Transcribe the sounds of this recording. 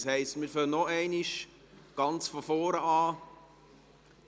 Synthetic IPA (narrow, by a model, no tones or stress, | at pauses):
shɛɪstmiːɾføːnɔæɪniʃ | ɡ̥ɑnt͡sfɔfɔːɾəɑː